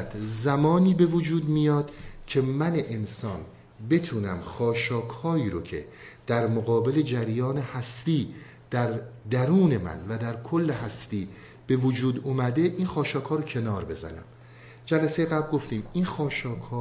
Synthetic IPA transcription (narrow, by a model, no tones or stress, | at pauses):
t̪zæmɒːniːbe̞vod͡ʒuːd̪mijɒːd̪̥cʲʰe̞mæneʔensɒːn | be̞t̪ʰuːnæmxɒːʃɒːkʰhɒːiːɾocʰe̞̰d̪̥æɾmoɣɒːbe̞le̞d͡ʒæɾjɒːne̞hæst̪iː | d̪̥æɾd̪æɾuːne̞mæ̰nvæd̪æɾkʰolːeɦæst̪iː | b̥e̞vod͡ʒuːd̪uːmæd̪e̞ʔiːnxɒːʃɒːkhɒːɾocʰe̞nɒːɾbe̞̰zæ̰næ̰m | d͡ʒælæsejeɣæblɡo̞ft̪iːminxɒːʃɒːkʰhɒː